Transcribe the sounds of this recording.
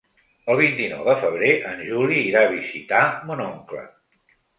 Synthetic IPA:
əlˠβ̞int̪inɔ̰wðəfəβ̞ɾeʔənʲʒuliːɾaβ̞izit̪amunɔŋklə̰

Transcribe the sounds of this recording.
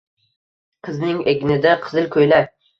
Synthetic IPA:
qʰɨznɪŋeɡʲnɪd̪aqʰɨzɪlkʰɵjlaɾ

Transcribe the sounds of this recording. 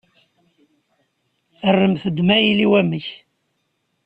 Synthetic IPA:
ərːəmθəd̪mæjiliwæməç

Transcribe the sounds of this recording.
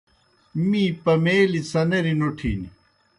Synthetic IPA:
miːpɐmeːlit͡sɐneɾinoʈʰḭːni

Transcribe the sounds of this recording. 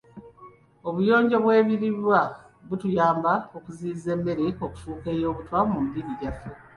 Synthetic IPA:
o̞βujo̞ːɲɟo̞βwe̞ːβiɾiɾwa | βutujaːmbaokuziːze̞mːe̞ɾeoku̥fuːke̞jo̞ːβutwamumdiɾiɟafe

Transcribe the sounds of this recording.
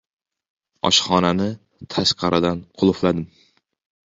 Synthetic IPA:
ɒ̰ʃχɒnanɪ | t̪ʰaʃqʰɑɾʔad̪anqʰʊlˠʊflad̪ɪm

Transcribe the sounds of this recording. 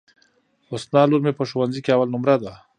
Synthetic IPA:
osnɑluɾmepəʃowanzikeawalnʊmɾad̪a

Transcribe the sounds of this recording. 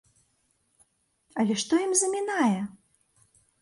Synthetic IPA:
ɐlʲɛʂt̪ɔjimzɐmʲinajɛ

